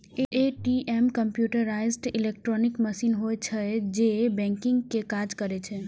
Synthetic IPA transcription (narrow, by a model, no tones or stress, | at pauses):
eeʈiʔemkəmpjuʈəɾajzʈilek̚ʈɾɔnikməsinɦojt͡ʃʰəd͡ʒebɛ̃ŋkiŋɡkekad͡ʒkəɾɛt͡ʃʰɛ